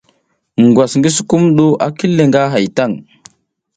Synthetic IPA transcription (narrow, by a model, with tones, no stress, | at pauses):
ɡwa˨sŋɡi˦s̬u̥˨ku˦mɗu˦ʔa˦ki˦lːe˨ŋɡa˦ɦa˨jta˦˨ŋ